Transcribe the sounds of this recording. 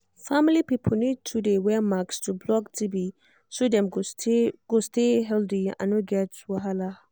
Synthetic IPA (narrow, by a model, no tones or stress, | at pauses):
familipipʰəl̩nid̚tʰudewɛmakstʰublɔktʰibi | sodɛ̃m | ɡ̥osteɦɛldiã̰noɡɛtwaɦala